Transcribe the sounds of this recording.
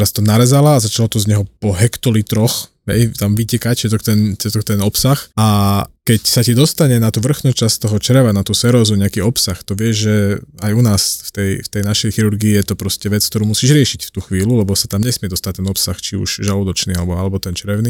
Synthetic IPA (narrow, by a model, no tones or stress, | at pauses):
t̪ɛɾast̪ɔnaɾɛzalaːzat͡ʃalɔt̪ɔzɲɛɦɔpɔɦɛkt̪ɔlit̪ɾɔx | ɦɛ̰jt̪amʋicɛkact͡ʃɛt̪ɔkt̪ɛnt͡sɛt̪ɔkt̪ɛnɔpsaxakɛcsacid̪ɔst̪aɲɛnat̪uːʋr̩xnut͡ʃast̪ɔɦɔt͡ʃɾɛʋanat̪uːsɛɾɔːzuɲɛakiɔpsaxt̪ɔʋɪɛʒʒɛajunaːsft̪ɛjft̪ɛjnaʃɛjxiɾuɾɡiːjɛt̪ɔpɾɔscɛʋɛt͡sk̚t̪ɔɾuːmusiːʒɾɪɛʃicft̪uːxʋiːlulɛbɔsat̪amɲɛsmɪɛd̪ɔst̪ac̚t̪ːɛnɔpsaxt͡ʃiṵʒʒalɔd̪ɔt͡ʃniːalɛbɔalɛbɔt̪ɛnt͡ʃɾɛʊni